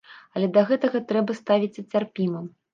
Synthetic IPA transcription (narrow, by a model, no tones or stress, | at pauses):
ɐlʲɛd̪ɐɣɛt̪ɐɣɐt̪ɾɛbɐst̪avʲit͡sʲɐt͡sʲarpʲimɐm